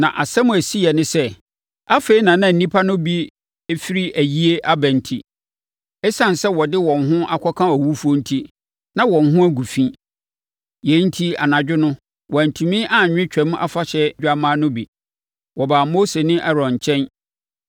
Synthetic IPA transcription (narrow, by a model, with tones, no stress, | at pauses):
nã̰˨ʔa˨sã˦m̃˨æ˨si˦ɛ˨nɪ̃˦sɛ˦ | a˦fe˦i˦nã˨nã˨n̩˨nĩ˦pʰa˦nʊ̃˦bi˦ | e˦fi˦ɾi˦ʔæ˨ji˦e˦ʔa˦bæ̃˨n̩˨tʰi˦ | ɛ˦sã˦˨n˨sɛ˦wɔ˨dɪ˦wɔ̃˨nɦʊ̃˦ʔa˨kʰɔ˦kʰã˦ɔ˨wu˦fu˦o˦n̩˦tʰi˦ | nã˨wɔ̃˨nɦʊ̃˦æ˦ɡu˨fĩ˦ | jɛ˨˦n̩˦tʰi˦a̰˨nã˨d͡ʑᶣʊ˦nʊ̃˦ | wɔ˨æ˨n̩˨tʰũ˨mĩ˦ʔa˦˨ɲᶣɪ̃˦t͡ɕᶣɛ̃˨˦m˦ʔa̰˨fa˦ɕɛ˦d͡ʑᶣa˦mã˦nʊ̃˦bi˨ | wɔ˨baː˨mo˦se˨nɪ̃˦ʔa˦˨ɾɔ̃˨ɲ˨t͡ɕʰɛ̃˦n